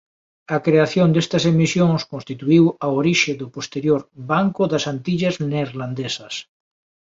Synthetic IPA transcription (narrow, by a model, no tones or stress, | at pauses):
ɐkɾeaθjond̪est̪ɐsemisjõŋskõnst̪it̪uiwaoɾiʃeðʊpost̪eɾjoɾbaŋkʊðasant̪iʎazneɾland̪esɐs